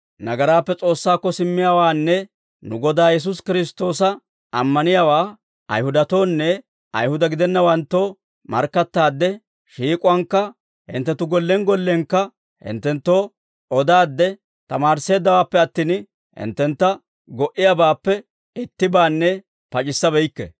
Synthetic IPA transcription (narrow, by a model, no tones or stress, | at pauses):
nɐɡɐɾaːpːɛt͡sʼo̞ːsːaːkːɔsɪmːɪjaːwaːnːɛ | nʊɡɔd̪aːjɛs̬ʊs̬kɪɾɪs̬t̪o̞ːsɐ | ɐmːɐnɪjawaː | ɐ̰jhʊd̪ɐt̪o̞ːnːɛ | ɐ̰jhʊd̪ɐɡɪd̪ɛnːɐwɐnt̪ːo̞ː | mɐ̰ɾkːɐt̪ːaːd̪ːɛ | ʃiːkʼʊwɐŋkːɐ | hɪ̰nt̪ːɛt̪ːʊɡɔlːɛŋɡɔlːɛŋkːɐ | hɪ̰nt̪ːɛnt̪ːo̞ː | ʔɔd̪aːd̪ːɛ | t̪ɐmaːɾsːe̞ːd̪ːɐwaːpːɛɐt̪ːiːn | hɪ̰nt̪ːɛnt̪ːɐ | ɡɔʔɪjabaːpːɛ | ɪt̪ːɪbaːnːɛ | pɐt͡ʃʼɪsːɐbɛjkːɛ̰